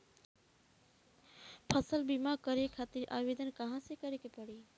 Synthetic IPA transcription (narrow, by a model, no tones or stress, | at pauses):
pʰəsəlbimakəɾekʰat̪iɾʔa̰bed̪ənkəɦãsekəɾekepəɽi